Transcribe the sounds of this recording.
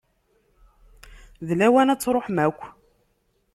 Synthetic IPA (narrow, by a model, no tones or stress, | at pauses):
ðlæwænæt͡sːɾˤoħmækʷː